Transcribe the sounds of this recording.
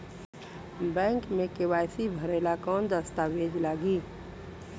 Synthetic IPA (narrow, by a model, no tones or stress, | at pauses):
bɛ̃ːŋkmẽkɪwaːjsibʱəɾeːlakɔːnd̪əst̪aʋeːd͡ʒlaːɡiː